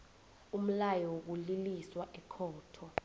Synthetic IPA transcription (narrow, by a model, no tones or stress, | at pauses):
um̩lajɔwok̬uliliswaʔɛkʰɔːtʰɔ